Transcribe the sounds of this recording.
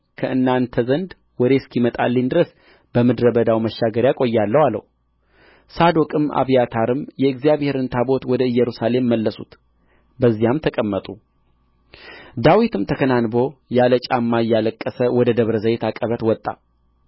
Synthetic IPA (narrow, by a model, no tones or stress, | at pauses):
kʰəʔɨnːant̪ʰəzənd̪ | wɔd̪e̞skʰimət̪ʼa̰lːind̪ɨɾəs | b̥əmɨd̪ɾəbəd̪awməʃːaɡəɾjakʼo̞jːalːəhwalːə̰h | sad̪okʼɨmʔa̰βijat̪ʰaɾɨmjɛɨɡzijaβhe̞ɾɨnt̪ʰabo̞t̪wɔd̪əɨjːɛɾusale̞mːəlːəsut̪ | bəzːijamt̪ʰəkʼəmːət̪ʼu | d̪awit̪ʰɨmt̪ʰəkʰənanbo̞jalət͡ʃʼamːaɨjːaləkʼːəsəwɔd̪əd̪əβɾəzəjet̪ʰakʼːəβət̪wɔt̪ʼːa̰